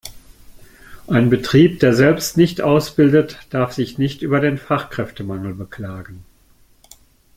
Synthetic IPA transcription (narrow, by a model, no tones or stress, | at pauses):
ʔaɪnbətʁ̥iːp̚d̥eːɐzɛlpstnɪçtʔaʊsb̥ɪldətd̥aɐfz̥ɪçnɪçtʔyːbɐdeːnfaχkʁ̥ɛftəmaŋl̩bəkl̥aːɡən̩